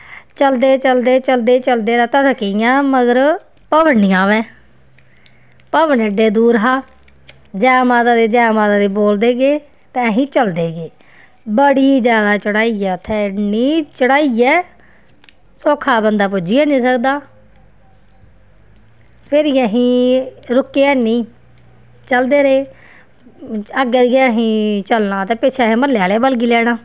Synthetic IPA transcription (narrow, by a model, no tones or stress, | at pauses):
t͡ʃəld̪eːt͡ʃəld̪eːt͡ʃəld̪eːt͡ʃəld̪eːɾãːt̪ət̪əkːɪjãːməɡəɾ | pəʋənniãːʋɛ̃ː | pəʋənɪɖeːd̪uːɾɦaː | d͡ʒɛːmaːd̪aːd̪eːd͡ʒɛ̃ːmaːd̪aːd̪eːboːld̪eːɡeː | t̪ẽːəɦĩːt͡ʃəld̪eːɡeː | bəɽiːd͡ʒjaːd̪aːt͡ʃəɽaːiːɛːt̪ʰːɛːniːt͡ʃəɽaːiɛː | soːkʰaːbənd̪aːp̬ʊd͡ʒɪjaːnĩːsəkd̪aː | pʰɪɾiːəɦĩːɾʊkːeːɛːnĩː | t͡ʃəld̪eːɾeː | əɡeːd̪ijɛːɦĩːt͡ʃəlnãːt̪eːpɪt͡ʃʰeɦẽːməɾljaːleːbəlɡiːlɛːɽ̃ãː